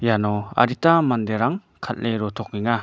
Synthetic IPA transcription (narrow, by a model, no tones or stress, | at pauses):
janɔa̰ɾitamand̪eɾaŋ | kʰat̚leɾɔt̪ʰɔk̚niŋa